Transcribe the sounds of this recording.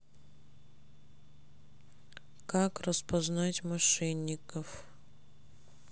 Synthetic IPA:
kakrəspɐznatʲmɐʂɛnʲːɪkəf

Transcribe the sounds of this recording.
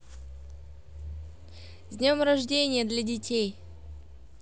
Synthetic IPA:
zʲnʲomɾɐʐdʲenʲɪjəd̪lʲadʲɪtʲej

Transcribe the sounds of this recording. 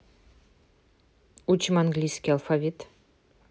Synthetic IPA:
ut͡ʃʰɪmanɡlʲijskʲialˠfavʲit̪ʰ

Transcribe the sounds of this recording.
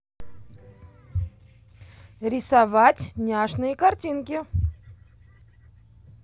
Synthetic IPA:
ɾʲɪsavatʲnʲaʐnɨjəkartʲinkʲɪ

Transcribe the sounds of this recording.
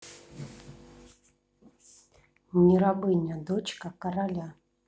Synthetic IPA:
nʲiɾabɨnʲad̪ot͡ɕkɐkɐɾalʲa

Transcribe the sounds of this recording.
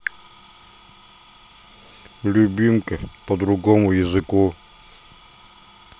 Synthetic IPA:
lʲʊbʲimkəpəd̪ɾʊɡɔmʊjəzɨku

